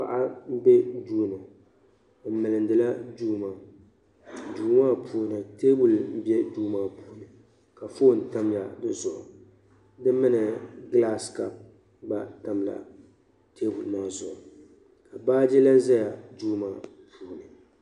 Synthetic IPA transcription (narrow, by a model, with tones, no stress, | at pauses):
pa̰˨ʔa˦m̩˦bɛ˦duː˦no˨˦ | m̩˦mɨ˨lɨ˨n˦dɨ˨la˦d͡ʒuː˦maː˨ | duː˨˦maː˦pʰuː˨nɨ˨teː˦bu˨lm̩˦bɛ˦duː˦maː˦pʰuː˨˦nɨ˨ | ka˨fo˦˨n̩˨ta˦mla˨dɨ˦zʊ˨ʔʊ̰˨ | dɨ˦mɨ˦nɨ˨ɡla˦ska˨ | ba˨ta˨mla̰˨ | teː˦bu˨lna˦˨zʊ˨ʔʊ˨ | ka˨baː˦d͡ʒɛ˦la˦n˦za˦ja˨d͡ʒuː˦maː˨ | pʰuː˨nɨ˨